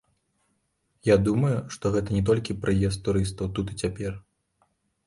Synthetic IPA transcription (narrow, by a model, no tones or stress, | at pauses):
jad̪umɐjuʂt̪ɔɣɛt̪ɐnʲɛt̪̬ɔlʲkʲipɾʔɨjɛst̪t̪ːuɾɨst̪ɐwt̪ut̪it͡sʲapʲɛr